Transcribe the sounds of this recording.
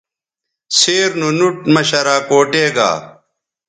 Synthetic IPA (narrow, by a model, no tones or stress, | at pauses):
seːɾnunuʈmɐɕɐɾaːkoːʈeːɡa̰ː